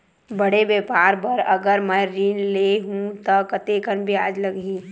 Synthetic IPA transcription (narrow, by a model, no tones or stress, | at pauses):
bɐɽebeːpaːɾbɐɾɐɡəɾmɛɾiːnleɦũt̪ɐkət̪ekənbʱiaːd͡ʒlɐɡiː